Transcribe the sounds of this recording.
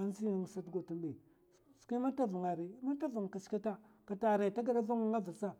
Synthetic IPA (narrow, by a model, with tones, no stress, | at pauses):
a˦n˦zi˦˨ŋ˨sa˦tɡo˨tu˨mbe˨ | su̥˨ki˦ma˦ta˦vu˨ŋa˨ɾi˨˦ma˦ta˦vu˨ŋ˨ka˨t͡ʃka˦ta˦ka˨ta˨ɾa˨ta˦ɡa˨ɗa˦vu˦ŋ˦ŋa˦va˨sa˦